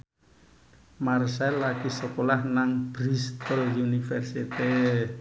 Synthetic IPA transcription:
marsɛlːakisəkolahnaŋb̥ɾist̪əljunifɛrsit̪i

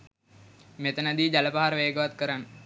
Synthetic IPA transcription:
met̪ənad̪iːd͡ʒaləpaɦaɾəʋeːɡəʋat̪kəɾanː

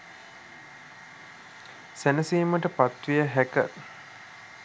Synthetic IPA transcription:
sænəsiːməʈəpat̪ʋijəɦækə

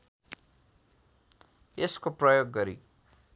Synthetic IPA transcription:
eskoprʌjoɡːʌɾḭ

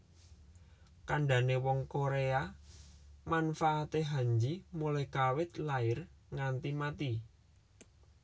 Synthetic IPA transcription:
kaɳɖa̤newɔŋkoɾea | manfaːt̪eɦaɲd͡ʒimulɛhkawɪt̪laɪrŋant̪imat̪i

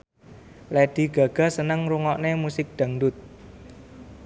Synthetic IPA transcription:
led̪̥i̤ɡ̥ä̤ɡ̥a̤sənəŋɾuŋɔʔnemusɪk̚d̪̥a̤ŋdʊt̪̚

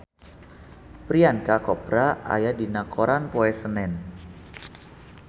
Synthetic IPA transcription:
pɾiankakɔpɾaa̰jadinakʰoɾanpoɛsənɛn

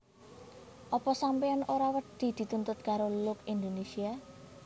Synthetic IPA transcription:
ʔɔpɔsampeɔnoɾawəɖ̥i̤d̪̥i̤t̪unt̪ʊt̪̚kaɾolʊkind̪onesia

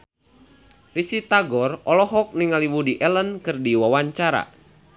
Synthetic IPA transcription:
risit̪aɡɔrɔlɔɦɔk̚niŋaliwudiʔɛlənkɨrdiwawaɲt͡ʃaɾa̰

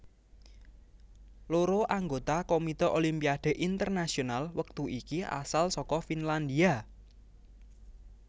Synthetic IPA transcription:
loɾoʔaŋɡot̪akomit̪ɔʔolimpiaɖ̪̥e̤ʔint̪ərnasionalwək̚t̪uikiʔa̰salsɔkɔfinland̪ia

